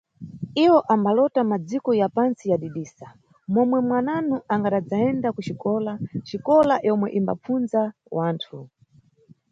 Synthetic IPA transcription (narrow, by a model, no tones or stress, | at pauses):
iwɔʔambalɔtamad͡zikɔjapansijaɗiɗiːsa | mɔmwɛmwananuʔaŋɡaɗad͡zaɛndakut͡ʃikɔlat͡ʃikɔlajɔmwɛʔimba̰p͡funza | waːntʰu